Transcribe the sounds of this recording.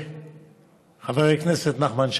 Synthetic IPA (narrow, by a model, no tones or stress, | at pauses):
χavɛʁɪknɛsɛt̪naχmanʃ